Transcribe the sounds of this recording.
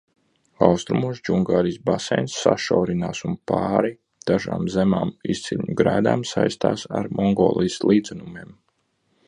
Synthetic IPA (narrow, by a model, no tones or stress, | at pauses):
awst̪ɾumusd͡ʒuŋɡaːɾijsbasɛ̰jnsːaʃawɾinaːsunpaːɾi | d̪̥aʒa̰ːmzemaːmist̪sʲilʲɲuɡɾæːd̪aːmsajst̪aːsaɾmɔŋɡo̰ːlˠijslˠʔiːd̪zɛnumeːm